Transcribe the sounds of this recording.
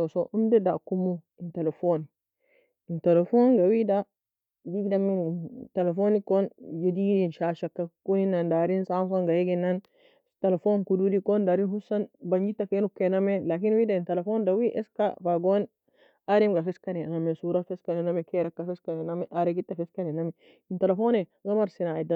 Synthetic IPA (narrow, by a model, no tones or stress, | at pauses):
sɔsɔʔumdɛdakumu | intelɛfɔn | intelɛfɔnɡawida | d͡ʒiɡdamintelefonikɔnd͡ʒedidinʃaʃakːakuninːandaɾinsams̬aŋɡajeɡɛnːan | telefonkududikondaɾinhusanbaɲd͡ʒitːakenukːenamelakinwidaintelefondawiʔɛska̰faɡon | aɾimɡafɛskanɛnamesuɾafɛskanɛnamɛkɛɾakːafɛskanɛnamɛʔaɾeɡitːafɛskanɛnamɛ | intelefoneɡamaɾsinaida